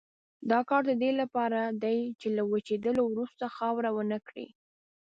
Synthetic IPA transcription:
d̪ɑkɑɾd̪əd̪elapɑɾad̪ajt͡ʃelawat͡ʃed̪əlowɾust̪axɑwɾawənəkɽḭ

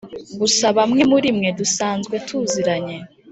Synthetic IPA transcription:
ɡusaβamŋe̞muɾimŋe̞dusaːnzɡwe̞tʰuːziɾaɲe̞

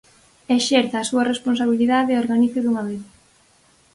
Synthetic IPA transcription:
eʃeɾθaːsuɐresponsaβiliðaðeːoɾɣaniθeðuŋaβeð

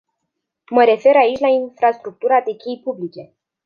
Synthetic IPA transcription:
məɾe̞fe̞ɾait͡ʃʲlainfɾast̪ɾuk̚t̪uɾad̪e̞kʲejpublit͡ʃe̞

